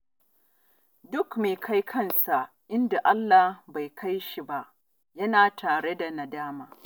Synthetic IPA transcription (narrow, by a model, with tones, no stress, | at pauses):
dʊ˦kmeː˨kʰa˦jkʰɐ˦nsa˨ʔ | ʔɪ˦nda˨ʔa˦lːa˨hba˨jkʰa˦jʃi˨ba˦ʔ | jɐ˦naː˨tʰaː˨ɽe˦da˨na˨daː˦maː˨